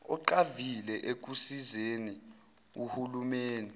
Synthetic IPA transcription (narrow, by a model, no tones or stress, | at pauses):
ɔǃavilɛʔek̬usizeni | uhulumeːndʱɛ